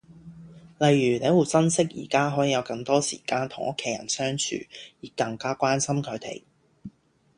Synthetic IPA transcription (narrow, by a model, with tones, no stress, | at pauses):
lɐ˨jːyː˨˩ne˨˥jwuː˨˩t͡sɐ˥nsɪ˥k̚jḭː˨˩kaː˥ɦɔː˨˥jiː˨˧jɐ˨˧wkɐ˧ŋt̪ɔː˥sḭː˨˩kaː˧nt̪ʰʊ˨˩ŋʔʊ˥kʰːe˨˧jɐ̰˨˩nsœː˥ŋt͡ʃʰy̰ː˨˩jiː˨kːɐ˧ŋkaː˥kʷaː˥nsɐ˥mkʰɵ˨˧t̪ḛ˨˩j